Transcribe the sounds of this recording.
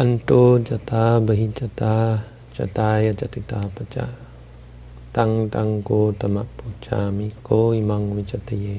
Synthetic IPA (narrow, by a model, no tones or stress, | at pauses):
anʈod͡ʒat̪abəɦit͡ʃat̪a | t͡ʃa̰t̪ajad͡ʒat̪it̪apat͡ʃa̰ | t̪aŋt̪aŋkot̪amaʔput͡ʃa̰mikoimaŋwid͡ʒat̪əje